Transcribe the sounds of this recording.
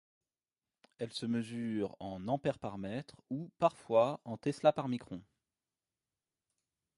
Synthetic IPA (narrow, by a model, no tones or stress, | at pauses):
ɛlsəməzyʁɑ̃nɑ̃pɛʁpaʁmɛt̪χupaʁfwaɑ̃t̪ɛslapaʁmikχɔ̃